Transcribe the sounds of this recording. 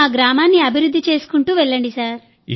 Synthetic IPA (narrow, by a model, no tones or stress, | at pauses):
aːɡɾaːmaːnːiɐbʱiɾud̪ʱːit͡ʃe̞ːsu̥kuɳʈuːʋeɭːɐɳɖisaːɾ